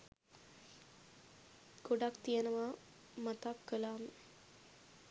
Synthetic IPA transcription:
ɡ̥oɖakt̪ijənəʋaː | mat̪akːəlaːmə

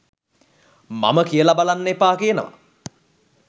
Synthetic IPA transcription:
ma̰məkijəlabalanːepaːkijənəʋa̰

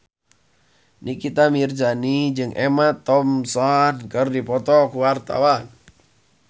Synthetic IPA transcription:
nʔikit̪amird͡ʒanid͡ʒɨŋʔɛmat̪ɔmsankɨrdipɔt̪ɔkuwart̪a̰wan

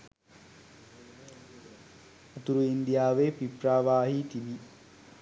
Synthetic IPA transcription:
ɐt̪uɾuind̪ijaːʋeːpipɾaːʋaːɦit̪ibi

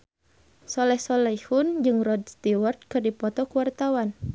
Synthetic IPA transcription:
sɔlɛhsɔlɛjhund͡ʒɨŋrɔd̪̚st̪iwɔrt̪̚kɨrdipɔt̪ɔkuwart̪awan

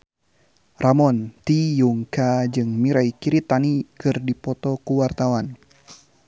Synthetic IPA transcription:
rʔamɔnt̪ijuŋkad͡ʒɨŋmiɾaikiɾit̪anikɨrdipɔt̪ɔkuwart̪awan

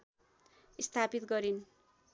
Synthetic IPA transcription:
ist̪ʰapit̪ɡʌɾin

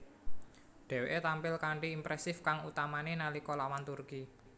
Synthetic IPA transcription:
ɖ̪̥ɛ̤weʔet̪ampɪlkaɳʈiːmpɾɛsɪfkaŋut̪amanenalikɔlawant̪urki

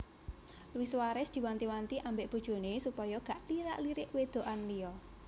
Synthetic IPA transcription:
luwiswaɾɛsd̪̥i̤want̪iwant̪iʔambɪʔb̥ṳd̥ʒ̥o̤nesupɔjɔɡ̥a̤ʔliɾa̰ʔliɾɪʔwed̪̥o̤ʔanlijɔ

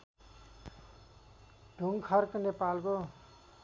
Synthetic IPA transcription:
ɖ̥ʱuŋkʰʌrknepalko

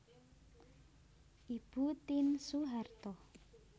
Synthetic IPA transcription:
ʔib̥ut̪insuɦart̪ɔ

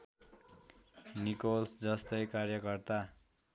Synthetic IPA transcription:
nikolsd͡zʌst̪ʌjkarjʌkʌrt̪a

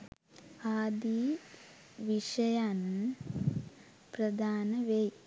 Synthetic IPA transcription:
aːd̪i | ʋiʂɐjaːnɐ | pɾɐd̪ʱaːnɐʋej

